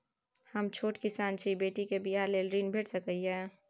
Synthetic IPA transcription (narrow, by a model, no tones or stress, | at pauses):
həmt͡ʃʰoːʈkɪsaːnt͡ʃʰibeːʈikebʱijaːlelɾiːnbʱeːʈsəkəiɛː